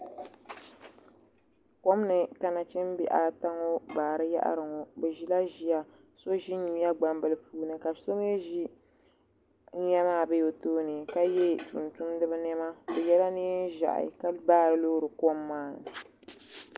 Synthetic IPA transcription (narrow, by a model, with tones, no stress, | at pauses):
ko˦m˦nɨ˨ka˨na˨t͡ʃɛ˦m˦bḭ˦ʔa˨ta˦ŋo˦baː˨ɾɨ˦ja̰˦ʔa̰˦ɾɨ˨ŋo˨bɨ˨ʒi˦la˦ʒi˦ja˨so˦ʒi˦ɲu˨ja˦ɡ͡ba˨mbɨ˨lɨ˨puː˨˦nɨ˨ka˨so˦m˦ɛ˦ʒi˦ | ɲɛ˦maː˦˨bɨ˦jo˨toː˦nɨ˨ka˦jɛ˦t͡ʃṵ˨ntu˦m˦dɨ˦bɨ˦nɛ˦ma˦bɛ˨jɛ˦la˦niː˦n˦ʒa̰˨ʔa̰˨ka˦baː˦˨ɾɨ˨lo˦ɾɨ˨ko˦mːaː˦nɨ˨